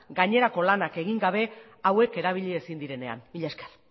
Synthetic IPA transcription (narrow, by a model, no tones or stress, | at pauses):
ɡaɲe̞ɾako̞lanake̞ɣ̞iŋɡaβ̞e̞ | awe̞ke̞ɾaβ̞iʎiesind̪iɾe̞ne̞a̰niʎeskḁl